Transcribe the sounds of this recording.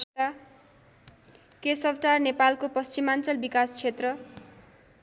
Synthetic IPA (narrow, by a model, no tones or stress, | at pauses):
t̪a | kesʌbʈarnepalkopʌst͡simant͡sʌlbikast͡sʰet̪rʌ